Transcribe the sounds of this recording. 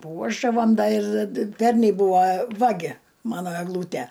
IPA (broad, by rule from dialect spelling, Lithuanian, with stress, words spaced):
ˈpuɔʒdɐʋɐm ˈdɐ ɪr ˈpʲɛrʲnʲɛɪ ˈbuːʋɐ ˈʋɑːɡʲɪ ˈmɑːnoː ɛɡˈlˠuːtʲæ